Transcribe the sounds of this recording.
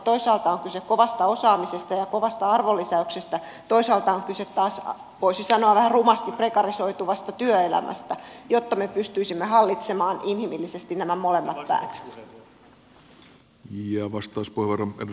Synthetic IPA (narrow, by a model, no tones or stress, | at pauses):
t̪oisɑːlt̪ɑoŋkysekkoʋɑst̪ɑosɑːmisest̪ɑjɑkoʋɑst̪ɑɑrʋolːisæyksest̪æ | t̪oisɑːlt̪ɑoŋkyset̪tɑːs | ʋoisisɑnoɑʋæhærumɑst̪iprekɑrisoit̪uʋɑst̪ɑt̪yøelæ̰mʔæ̰st̪æjot̪ːɑmepyst̪yisimːehɑlːit̪semɑːnʔinhimilːisest̪innæmæmolemːɑt̪pæ̰ːt̪ | jɑʋɑst̪ˑɑːspuheʋʋɑrɑḛd